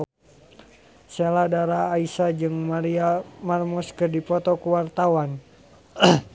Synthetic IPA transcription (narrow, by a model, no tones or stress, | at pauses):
seladaɾaːisad͡ʒɨŋmaɾiamarmɔskərdipɔt̪ɔkuwart̪awan